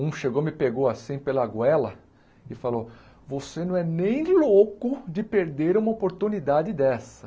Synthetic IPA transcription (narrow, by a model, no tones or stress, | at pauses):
ũʃeɡomɪpeɡoasĩpelɐɡwɛlɐ | ɪfalo | vosenɐ̃w̃ɛnẽj̃lokʊd͡ʒɪpeɾd̪eɾũmɐopoɾt̪unid̪ad͡ʒɪd̪ɛsɐ